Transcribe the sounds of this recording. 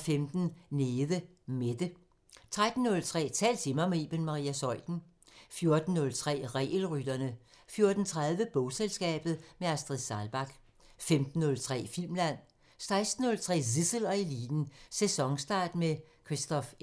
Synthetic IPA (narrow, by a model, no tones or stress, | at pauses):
femd̥n̩neːðˠə | med̥ə | t͡sʰʁad̥n̩ːɔ̽lt͡sʰʁɛ̰ːt͡sʰɛ̰ːlt͡sʰimɐmeeb̥enmɑ̈ʁḭːæsɒ̽l̰d̥n̩ | fjo̝ɐd̥n̩ːɔ̽lt͡sʰʁɛ̰ːʁɛ̰ːlʁyd̥ɐnə | fjo̝ːɐd̥n̩t͡sʰʁað̞ˠʋəb̥ɔʊselsɡ̥ɛ̰ːb̥ð̞̩ˠmeæsd̥ʁiðsɑlb̥ɑ̈ɡ̥ | femd̥n̩ːɔ̽lt͡sʰʁɛ̰ːfil̰mlæn̰ | sɑ̈ɪsd̥n̩ːɔ̽lt͡sʰʁɛ̰ːsisəlɒ̽eliːd̥n̩sesɒ̽ŋsd̥ɑ̰̈ːd̥mekʰʁisd̥ɒ̽f